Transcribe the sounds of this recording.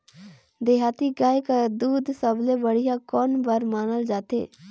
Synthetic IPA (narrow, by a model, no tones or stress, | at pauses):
d̪eːɦaːt̪iɡaːjkad̪uːd̪səblebəɽ̤ijakɔːnbəɾmaːnəld͡ʒaːt̪ḛː